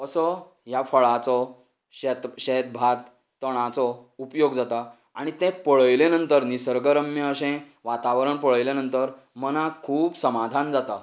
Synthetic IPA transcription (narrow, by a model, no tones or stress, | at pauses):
əsɔ | ɦjafəɭat͡sɔ | ɕet̪ɕet̪̚bʱat̪ː | əɽ̃ãt͡sɔupjoɡd͡zat̪a | aɽ̃it̪ɛ̃pəɭəjlẽnənt̪əɾnisəɾɡəɾəmjəəɕɛ̃ | ʋat̪aʋəɾəɳpəɭəjlenənt̪əɾ | mənakʰuːpsəmad̪ʱand͡zat̪a